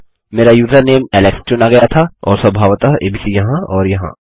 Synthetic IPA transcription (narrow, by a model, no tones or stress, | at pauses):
meːɾajuːzəneːmɛlɛkst͡ʃʊnaɡɐjat̪ʰaɔːɾsɐbʱaːʋt̪aḛːbiːsijɐɦãɔːɾjɐɦã̰ː